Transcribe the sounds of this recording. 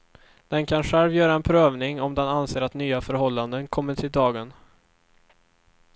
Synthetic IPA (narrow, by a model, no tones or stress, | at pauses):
d̪̥ɛnkʰanɧɛlvjœːɾaɛnpʰɾøːvnɪŋɔmd̪ɛnanseːɾat̪nyːafœɾɦɔlːand̪ənkʰɔmːəʈʰɪld̪ɑːɡən